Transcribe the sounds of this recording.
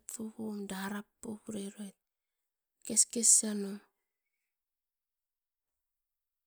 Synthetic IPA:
tfohumdaɾapːohuɾeɾoet̚ | keskesːano

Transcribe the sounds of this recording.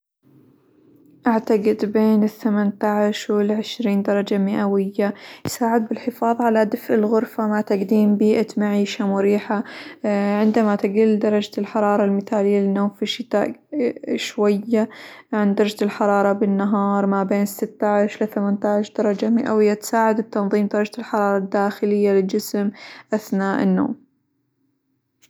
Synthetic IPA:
ʔaʕt̪aɡɪd̪beːnɪθːamant̪aʕɪʃwɪlʕɪʃɾiːnd̪ɑɾˤɑd͡ʒamɪʔawɪjːajsaːʕɪd̪̚bɪlħɪfɑːðˤʕalad̪ɪfʔɪlɣʊɾfamat̪aɡd̪iːmbiːʔat̪maʕiːʃamʊɾiːħa | ʕɪnd̪amat̪ɪɡild̪ɑɾˤɑd͡ʒalħɑɾˤɑːɾˤɑlmɪθaːlɪjːaɪnːoːmfiʃɪt̪a̰ːʔ | ʃwajːaʕand̪ɑɾˤd͡ʒlħɑɾˤɑːɾˤɑbɪnːaɦɑːɾˤmabeːnsɪt̪ːaʕɪʃlɪθamant̪aʕɪʃd̪̥ɑɾˤɑd͡ʒamɪʔa̰wɪjːat̪saːʕad̪ɪt̪ːɑnðˤiːmd̪ɑɾˤɑd͡ʒalħɑɾˤɑːɾˤɑd̪ːaːxɪlɪjːalɪld͡ʒɪsmʔaθnaːʔɪ̰nːo̰ːm

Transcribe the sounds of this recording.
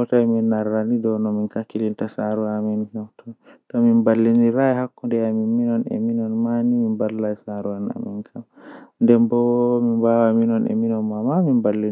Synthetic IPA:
htaɛminːaɾːanidɔnɔminkakːilintasaɾuaminhɔwtʰɔtɔminbalːiniɾaɛhakːɔndɛaminminɔnɛ̰minɔnmanimimbalːaɛsaɾuana̰minkʰamndɛmbɔmimbawaminɔnɛ̰minɔnmamamimbalːin

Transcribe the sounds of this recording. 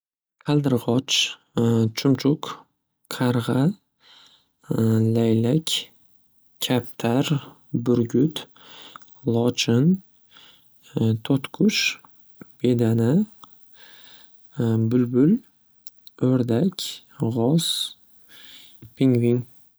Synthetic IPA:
qʰɑld̪ɨɾʁɒt͡ʃ | t͡ʃʰʊmt͡ʃʰʊqʰ | ɑɾʁɑ | lajlakʲ | kʲʰːap̚t̪ʰaɾ | bʊɾɡʲʊt̪ | lˠɒt͡ʃʰɪn | t̪ʰot̪kʰʊʃ | b̥ed̪ana | bʊlbʊl | oɾd̪akʲ | ʁɒs | pʰɪŋviŋ

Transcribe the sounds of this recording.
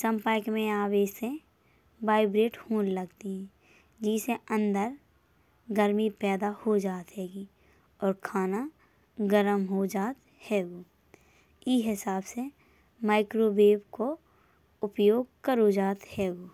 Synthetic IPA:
sə̃mpaːɪkmẽaːʋeːse | baːɪbɾeːʈhũːlləɡt̪iɦɛ̃ː | d͡ʒiːseə̃nd̪əɾ | ɡəɾmipɛːd̪ahod͡ʒaːt̪ɦɛːɡi | ɔːɾkʰaːna | ɡəɾəmɦod͡ʒaːt̪ | hɛːɡoː | iɦɪsaːbse | maːɪkɾobeːbko | ʊpjoːɡ̚kəɾod͡ʒaːt̪hɛːɡoː

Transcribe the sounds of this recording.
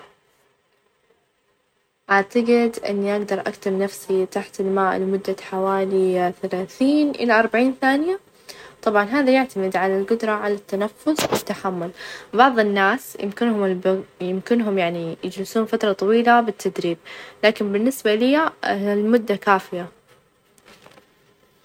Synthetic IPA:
ʔaʕt̪aɡɪd̪ʔɪ̰nːiʔaɡd̪ɑɾˤʔa̰kt̪ɪmnafsit̪aħt̪ɪlmaːʔlɪmʊd̪ːaħawaːliθalaːθiːnʔɪ̰laʔɑɾˤbaʕiːnθaːnɪja | t̪ˤɑbʕɑnɦaːðajaʕt̪amɪd̪ʕalalɡʊd̪ɾˤɑʕalat̪ːanafːʊswɪt̪ːaħamːʊlbɑʕðˤɪnːaːsjɪ̰mkɪnhʊmɪlbjɪmkɪnɦʊmjaʕnijɪd͡ʒlɪsuːnfat̪ɾˤɑt̪ˤɑwiːlabɪt̪ʰːad̪ɾiːb̚laːkɪmbɪnːɪsbalɪjalmʊd̪ːakaːfɪja

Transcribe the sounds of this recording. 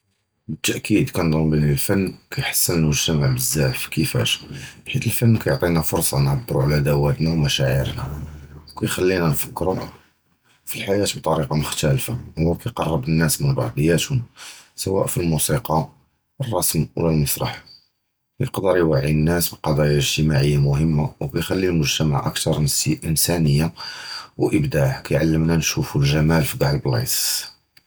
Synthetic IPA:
bət̪ːæʔkʰid̪kænd̪ˤʊmbinilfænːkæjħḁsːənnmʊʒt̪æmaʕbəzːaʕfkəfæ̰ʃbħit̪əlfənːkæjoʕt̪ˤinæfoɾsˤɑnʕɑbːɾuʕalæd̪æwæt̪næwmæʃæʕḭɾnæwkæjxælːinænfə̥kːɾu | filħajæt̪bt̪ˤɑɾiqɑmʊxt̪ælfahʊwːækæjqɑrˤːəbənːæsmənɾɑ̰ʕd̪əjːæt̪hʊmsəwæ̰ʔfilmusiqɑ | ərˤːɑsmwəlælmɑsɾˤɑ̰ħ | kjqd̪əɾijwaʕiənːæsbiqɑd̪ˤɑjaəʒt̪əmaʕəjːamʊhəmːawkæjxælːilmʊʒt̪æma̰ʕʔə̰kt̪ɑɾˤnsʔənsænəjːawʔəbd̪aʕkæjʕalːəmnænʃufulʒæmælfiɡ̪ɑʕəlblɑ̰s

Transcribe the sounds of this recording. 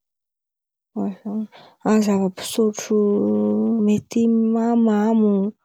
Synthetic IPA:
wazaɲi | azavəpi̥soʈ͡ʂu | met̪imamamu

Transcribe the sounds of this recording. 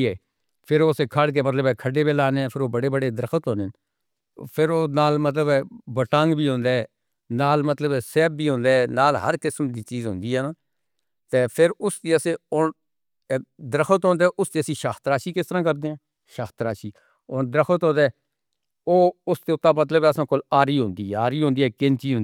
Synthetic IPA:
ɛː | pʰɪɾoːseːkʰaɽk̬eːmət̪ləbɛːkʰəɖeːbeːlaːneːpʰɪɾoːbəɽeːbəɽeːd̪ɾəkʰət̪ɦoːneːn | pʰɪɾoːnaːlmət̪ləbɛːbəʈãːŋɡbiːɦõːnd̪eɛː | naːlmət̪ləbɛːsɛːb̚ːiːɦõːnd̪eːɛːnaːlɦə̰ɾkɪsmd̪iːt͡ʃiːzɦʊ̰̃ːnd̪iːɦɛːnaː | t̪eːpʰɪɾʊst̪iːəseoːn | d̪əɾəkʰət̪ɦoːnd̪eːʔʊst̪eːəsĩːʃaːxʰt̪əɾaːʃiːkɪst̪əɾãːkəɾd̪eːɛ̃ː | ʃaːxt̪ɾaːʃiː | oːnd̪ɾəkʰət̪ɦõːnd̪eː | oːʊst̪eːʊt̪ːaːmət̪̬ləbɛːəsãːkʊlaːɾiːɦʊ̃nd̪iːɦaːɾiːɦõːnd̪iːɛːkɪnt͡ʃiːɦʊn

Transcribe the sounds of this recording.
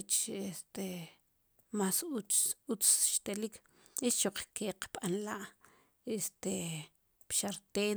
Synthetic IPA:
t͡ʃest̪e | masuut͡sʃt̪elik | et͡ʃt͡ʃoq͡χkeqɓ̥anlaʔ | est̪e | pʃaɾt̪eː

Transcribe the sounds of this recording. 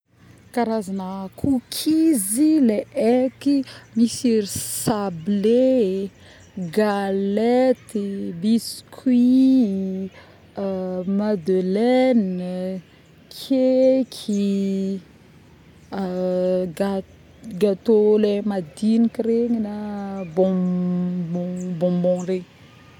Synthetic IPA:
kaɾazanəkʰukʰizileʔekimisiɾisable | ɡalet̪ibiskʰwi | mad̪elɛn | kʰekʰi | ɡa | ɡat̪olemad̪inikiɾeɲinabɔ̃ | bɔ̃bɔ̃bɔ̃reɲ

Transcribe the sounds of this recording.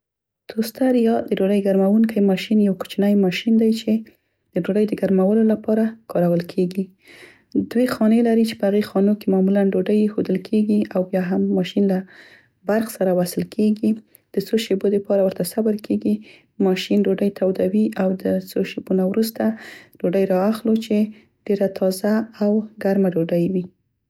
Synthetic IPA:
t̪ʰost̪aɾjɑd̪əɖoɖəjɡaɾmawuŋkajmɑʃinjawku̥t͡ʃnajmɑʃind̪ajt͡ʃe | d̪̥əɖoɖəjd̪əɡaɾmawəlolapɑɾakɑɾawəlkʰeɡi | d̪̥wexɑnelaɾit͡ʃe̥pəhaɣexɑnokemɑmulanɖoɖəjxod̪əlkʰeɡiawbjɑɦamːɑʃinla | baɾxsaɾawasɪlkʰeɡi | d̪̥ət͡soʃebod̪əpɑɾawəɾt̪asabaɾkʰeɡi | mɑʃinɖoɖəjt̪ʰawd̪awiʔawd̪ət͡soʃebonawɾust̪aɖ̥oɖəjɾɑaxlot͡ʃe | ɖ̥eɾat̪ʰɑzaːwɡaɾmaɖoɖəjwi

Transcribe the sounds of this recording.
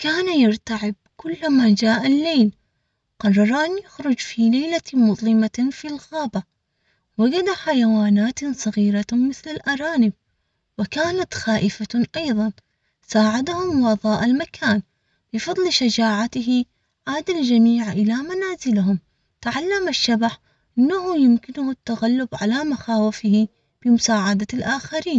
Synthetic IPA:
kaːnajɪɾt̪aʕɪb̚kʊlːmaːd͡ʒaːʔalːejl | qɑrˤːɑɾˤaːnjʊxɾʊd͡ʒfiːlajlamʊðˤlɪmafilɣaːba | waɡad̪aħajawaːnaːt̪sˤɑɣiːɾamɪθlalʔaɾˤɑːnɪb̚ | wɪkaːnat̪xaːʔɪfaʔɑjðˤɑn | saːʕad̪ahʊmwɑðˤɑːʔɪlmakʰaːn | bɨfɑd̪ˤlʃad͡ʒaːʕat̪ɪɦi | ʕaːd̪ald͡ʒamiːʕʔɪlamanaːzɪlɦʊm | t̪aʕalːamaʃːabaħ | ʔɪnːahʊjʊmkɪnʊhat̪ːaɣalːʊbʕalamaxaːwɪfɪhi | b̥ɪmʊsaːʕad̪alʔaːxaɾiːn

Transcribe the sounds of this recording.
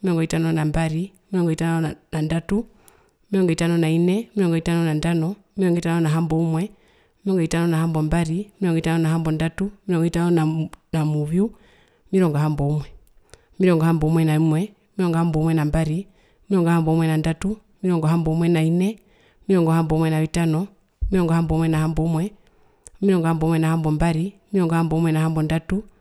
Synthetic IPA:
miɾɔŋɡɔitanɔnambaɾi | miɾɔŋɡɔitanɔnandatu | miɾɔŋɡɔitanɔnainɛmiɾɔŋɡɔitanɔnandanɔmiɾɔŋɡɔitanɔnaɦambɔumwɛ | miɾɔŋɡɔitanɔnahambɔmbaɾimiɾɔŋɡɔitanɔnaɦambɔndatumiɾɔŋɡɔitanɔnanamuβju | miɾɔŋɡɔɦambɔumwɛ | miɾɔŋɡɔhambɔumwɛnaimwɛ | miɾɔŋɡɔhambɔumwɛnambaɾi | miɾɔŋɡɔhambɔumwɛnandatu | miɾɔŋɡɔɦambɔmwɛnainɛ | miɾɔŋɡɔhambɔumwɛnaʋitanɔ | miɾɔŋɡɔhambɔmwɛnahambɔumwɛ | miɾɔŋɡɔhambɔumwɛnahambɔmbaɾimiɾɔŋɡɔhambɔumwɛnaɦambɔndatu

